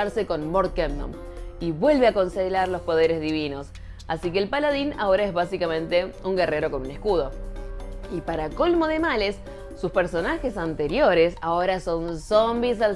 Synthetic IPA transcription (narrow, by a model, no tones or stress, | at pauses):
aɾseko̞nmoɾt̪̚kemno̰m | iβwe̞lβeako̞nselaɾlo̞spo̞ð̞eɾezðiβino̞s | a̰sik̬eːlpalaðina̰o̞ɾaezβasikamẽ̞nt̪e̞uŋɡere̞ɾo̞ko̞nunehkuð̞o̞ | ipaɾako̞lmo̞ðe̞malesː | uspeɾso̞naxesant̪eɾjo̞ɾesaoɾaso̞nsombisal